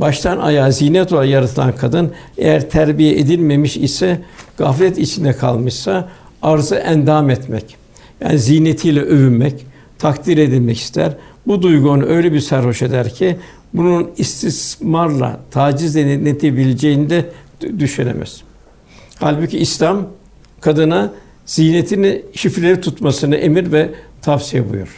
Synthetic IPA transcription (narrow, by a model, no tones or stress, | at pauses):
baʃt̪ʰana̰jaːzijnɛt̪ʰolˠajaɾat̪ʰɯlˠankʰad̪ɯn | e̞̰jæɾt̪ʰæɾbijɛʔed̪ilʲme̞miʃisɛɡ̥aflʲɛt̪it͡ʃʰind̪ɛkʰalˠmɯʃsa | aɾzɯʔænd̪aːmɛt̪mɛ̰c | ja̰ːnizijnet̪ʰijlʲɛʔøvynmɛc | t̪ʰakd̪iɾe̞d̪ilʲmɛci̥st̪ʰæ̰ɾbud̪ujɡuonuʔø̞jlʲɛbiɾsæɾho̞ʃed̪æɾcʰi | bununist̪ʰismaɾlˠa̰t̪ʰaːd͡ʒizlʲɛnnet̪ʰebilʲed͡ʒejinid̪ɛd̪yʃynḛmɛ̰z̥ | halʲbuciːslʲam | kʰad̪ɯna | z̥ijnet̪ʰinʃifɾlʲeɾit̪ʰut̪masɯnɯʔe̞miɾvɛt̪ʰafsijɛbṵjṵɾ̥